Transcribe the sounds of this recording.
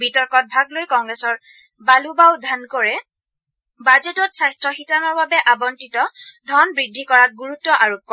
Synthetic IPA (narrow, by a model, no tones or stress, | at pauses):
bitɔɹkɔt̚bʱaɡlojkɔŋɡɹɛsɔɹ | balubawdʱankɔɹɛ | bad͡ʒetɔtsajstɹɔxitanɔɹbabɛʔabɔntitɔdʱɔnbɹidʱːikɔɹak̚ɡuɹutːɔʔaɹop̚kɔ